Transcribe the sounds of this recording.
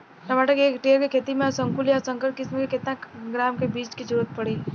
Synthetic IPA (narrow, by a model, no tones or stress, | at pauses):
təmaʈəkeːkʈeːəɾkekʰeːt̪imẽsəŋkuljasə̃ŋkəɾkɪsmkekɪt̪nãɡɾaːmkebiːt͡ʃkid͡ʒəɾuɾət̪̚pəɽe